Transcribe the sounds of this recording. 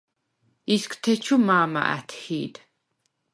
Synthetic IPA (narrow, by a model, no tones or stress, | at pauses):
iskʰt̪ʰɛt͡ʃʰumaːma̰ʔæ̰t̪ʰhiːd̪